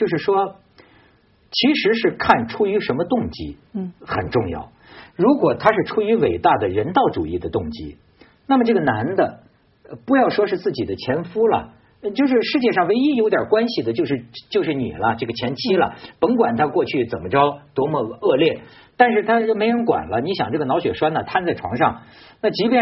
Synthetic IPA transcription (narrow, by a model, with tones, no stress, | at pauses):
t͡ɕjo˥˧ʊʂɻ̩˥˩ʂwɔ˥ | t͡ɕʰi˧˥ʂɻ̩˧˥ʂɻ̩˥˧kʰa˥˩nʈ͡ʂʰu˥y˧˥ʂə˧˥nmə˧t̪ʊ˥˩ŋt͡ɕi˥xə̰˨˩nʈ͡ʂʊ˥˧ŋjɑ̰˥˩ʊ | ɻu˧˥kwɔ˨˩t̪ʰa˥ʂɻ̩˥˩˧ʈ͡ʂʰu˥y˧˥we˨˩ɪt̪a˥˩d̪ə˩ɻə˧˥nt̪ɑ˥˩ʊʈ͡ʂu˨˩ḭ˥˩d̪ə˩t̪ʊ˥˩ŋt͡ɕḭ˧˥ | na˥˩mə˩ʈ͡ʂɤ˥˩ɡə˩na˧˥nd̪ə˨ | pu˥jɑ˥˩ʊʂwɔ˥ʂɻ̩˥˧t͡sɹ̩˥˩t͡ɕi˨˩d̪ə˦t͡ɕʰjɛ˧˥nfu˥lə̰˨ | t͡ɕjo˥˧ʊʂ̬ɻ̩˥˧ʂɻ̩˥˧t͡ɕjɛ˥˧ʂɑ˥˩ŋwe˧˥ɪi˥jo˧˥ʊt̪jɑ˨˩kwa˥nɕi˨˩d̪ə˩t͡ɕjo˥˧ʊʂɻ̩˥˧˩t͡ɕjo˥˧ʂɻ̩˥˩nḭ˨˩lɐ˦ʈ͡ʂɤ˥˩ɡə˩t͡ɕʰjɛ˧˥nt͡ɕʰi˥lə̰˨pə˧˥ŋkwa˨˩nt̪ʰa˥kwɔ˥˧t͡ɕʰy˥˩t͡sə˨˩nmə˦ʈ͡ʂɑ˥ʊt̪wɔ˥mə˥˧˩ɤ˥˧ljɛ˥˩ | t̪a˥˧nʂɻ̩˥˩t̪ʰa˥˩me˧˥ɪə˧˥nkwa̰˨˩nlə˦ni˧˥ɕjɑ̰˨˩ŋʈ͡ʂɤ˥˩ɡə˩nɑ˧˥ʊɕɥɛ˨˩ʂwa˥nə˨t̪ʰa˥nt͡sa˥˩ɪʈ͡ʂʰwɑ̰˧˥ŋʂɑ˥˩ŋna˥˩t͡ɕi˧˥pjɛ˥˩